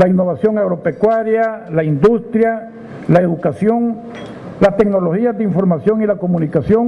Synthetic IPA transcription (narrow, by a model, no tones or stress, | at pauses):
lainːo̞βasjo̞ŋaɣɾo̞pe̞kwaɾjalaind̪ust̪ɾja | lae̞ðukasjo̞ŋ | last̪eɡno̞lo̞xiazdeiɱfo̞ɾmasjo̞ŋilako̞mũnikasjoŋ